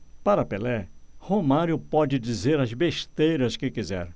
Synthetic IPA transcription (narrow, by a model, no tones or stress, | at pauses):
paɾɐpelɛhomaɾjʊpɔd͡ʒɪd͡ʒizeɾɐzbeʃt̪ejɾɐskɪkizɛ̰ɾ